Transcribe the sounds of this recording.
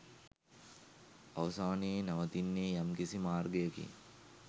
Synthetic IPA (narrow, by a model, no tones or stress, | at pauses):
ɐʋɐsaːneːnɐʋɐt̪inːeːjamkisimaːrɡejəkḭ